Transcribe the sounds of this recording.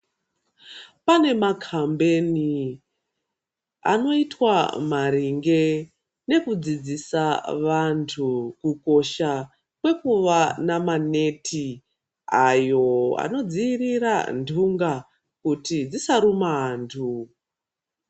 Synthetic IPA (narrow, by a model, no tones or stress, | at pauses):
pane̞makʰambe̞ni | a̰no̞itwamaɾiŋɡe̞ | ne̞kud͡zid͡zisaʋantʰukuko̞ʃa | kwe̞kuʋanamane̞tʰi | ajo̞a̰no̞d͡ziiriɾa̰ndʱuŋɡa | kutid͡zisaɾumantʰu